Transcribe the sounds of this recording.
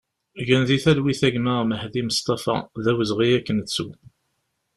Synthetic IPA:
ʝənðiθælwiθæʝməʁməhðiməst̪ˤɑfɑ̰ðæwəzʁijækːənət͡sːṵ

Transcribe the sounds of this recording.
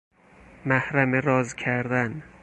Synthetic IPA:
mæhɾæmeɾɒːzkʰæɾd̪æn

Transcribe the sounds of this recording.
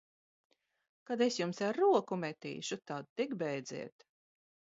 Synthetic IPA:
kad̪esjumsaɾːuɔkumɛt̪ḭːʃut̪ad̪̚t̪ikbɛjd̪zḭɛt̪

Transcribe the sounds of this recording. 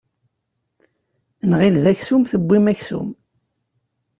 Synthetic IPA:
nʁilðæçsumθəbːimæçsṵm

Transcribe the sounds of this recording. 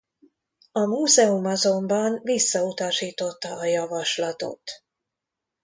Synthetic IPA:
ɒmuːzɛumɒzo̞mbɒnvisːɒut̪ɒʃiːt̪o̞t̪ːɒːjɒvɒʃlɒt̪o̞̰t̪

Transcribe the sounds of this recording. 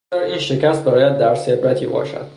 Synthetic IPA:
æːɾiːnʃecæst̪̚bɒːɾːjæd̪̚ːæɾseɾbæt̪ʰiːbɒ̰ːʃæ̰d̪̥

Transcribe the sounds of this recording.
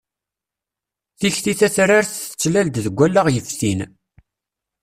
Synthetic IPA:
θiçθiθæθɾaɾθθə̥t͡sːlæld̪ðəɡʷːælːaʁjəfθin

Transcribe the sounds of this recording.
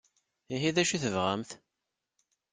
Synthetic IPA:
iɦiðæʃiθəvʁæmθ

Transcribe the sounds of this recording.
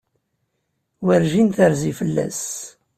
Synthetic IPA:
wəɾʒinθəɾzifəlːæ̰s

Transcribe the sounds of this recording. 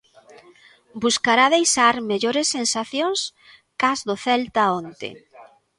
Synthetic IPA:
buskaɾaðejʃaɾmeʎoɾesːensaθjõŋs | kazðoθɛlt̪aont̪ḛ

